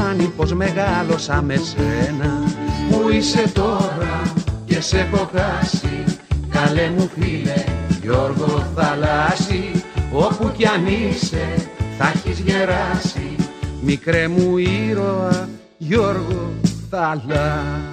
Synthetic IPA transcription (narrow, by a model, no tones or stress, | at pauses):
nipo̞zme̞ɣɐlo̞sɐme̞senɐmuise̞t̪o̞ɾɐce̞se̞ko̞kɐsikɐle̞mufileʝo̞ɾɣo̞θɐlɐsio̞puceɐnise̞θɐçizʝe̞ɾɐsimikɾemuiɾo̞ɐ | ʝo̞ɾɣo̞θɐlɐ